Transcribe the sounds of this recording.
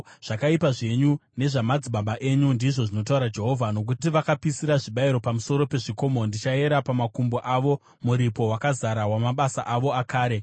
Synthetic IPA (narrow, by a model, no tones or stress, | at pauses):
ʐ̥akaipaʐe̞ɲune̞ʐamad͡ziɓaɓaʔe̞ɲundiʐo̞ʐino̞t̬auɾad͡ʒe̞ɦo̞vʱano̞k̬ut̬iʋakapisiɾaʐiɓaiɾo̞pamuso̞ɾo̞pe̞ʐiko̞ːmo̞ndit͡ʃae̞ɾapamakumboʔaʋo̞ | muɾipo̞wakazaɾawamaɓasaʔaʋo̞akaːɾe̞